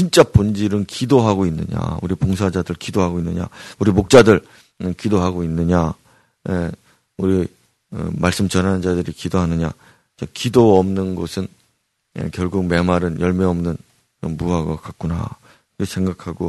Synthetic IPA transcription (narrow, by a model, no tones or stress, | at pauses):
t͡ɕint͡ɕ͈apond͡ʑiɾɯnkidoɦaɡoinːɯ̰ɲa̰ṵɾipoŋsʰad͡ʑadɯɭkidoɦaɡoinːɯɲa̰uɾimok̚t͡ɕ͈adɯɭ | kidoɦaɡoinːɯɲa | je | uɾi | ɯ̰maɭs͈ɯmt͡ɕʌnɦand͡ʑadɯɾikidoɦanɯɲa̰ | t͡ɕakidoʌmnɯnɡʌsʰɯn | jḛkjʌɭɡuɡ̚me̞maɾɯnjʌɭmeʌmnɯn | ko̰mmuaɡʌkak̚k͈una̰ | iɡesʰeŋɡakʰaɡo